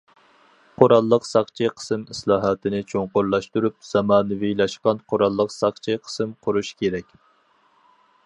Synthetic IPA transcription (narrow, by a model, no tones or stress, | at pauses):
qʰoɾɑlˠːəqsɑχt͡ʃʰiqʰə̥sɨmislˠɑːɦɑt̪ʰɨnɪt͡ʃʰoŋqʊɾlˠɑʃt̪uɾup̚z̥ɑmɑːnɨvilˠɑʃqɑnqʰoɾɑlˠːəqsɑχt͡ʃʰiqʰə̥sɨmqʰʊɾuʃkʲʰeɾɛkʲ